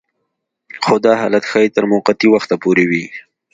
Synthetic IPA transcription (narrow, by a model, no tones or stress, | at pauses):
xod̪ɑɦɑlat̪xɑjet̪əɾmʊqat̪iwaxt̪apoɾewi